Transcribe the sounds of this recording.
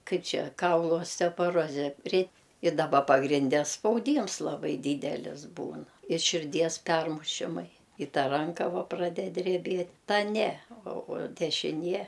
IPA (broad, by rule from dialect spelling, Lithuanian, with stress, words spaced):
ˈkɐɪp ˈt͡ʃʲɛ ˈkɐʊlˠʊ oːsʲtʲɛpoːˈroːzʲɛ rʲɛt ɪ dɐˈbɐ pɐɡrʲɪnʲˈdʲɛ spɐʊˈdʲiːms lˠɐˈbɐɪ ˈdʲiːdʲɛlʲɪs ˈbuːn ɪ ʃʲɪrʲˈdʲiɛs ˈpʲɛrmʊʃʲɪmɐɪ ɪ ˈtɐ ˈrɐŋkɐ ˈʋɐ prɐˈdʲɛt dʲrʲɛˈbʲeːt ˈtɐ ˈnʲɛ oː oː dʲɛʃʲɪˈnʲiɛ